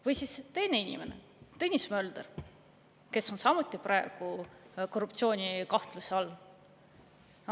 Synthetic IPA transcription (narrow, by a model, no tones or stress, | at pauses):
vɤjsist̪e̞jne̞inʲḭme̞ne̞̰ | t̪enʲismø̞ld̪̥er | ke̞sːo̞nsɑmut̪ˑːiprɑˑe̞ɡ̥uko̞rːup̚t̪sio̞ːnʲikɑht̪luseɑlː